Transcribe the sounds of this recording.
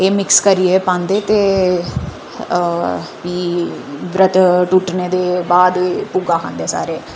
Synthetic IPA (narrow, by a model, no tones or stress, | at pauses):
eːmɪkskəɾiepãːnd̪eːt̪eː | ʋiːʋɾət̪ʈuʈneːd̪eːbaːd̪eːpuɡaːkʰã̰ːnd̪eːsa̰ːɾeː